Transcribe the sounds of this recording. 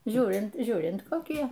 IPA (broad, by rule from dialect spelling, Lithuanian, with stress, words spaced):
ˈʒʲuːrʲɪnt ˈʒʲuːrʲɪnt koːˈkʲiɛ